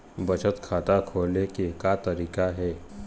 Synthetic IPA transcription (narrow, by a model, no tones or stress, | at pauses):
bət͡ʃət̪kʰat̪akʰolekekat̪əɾiːkaɦɛ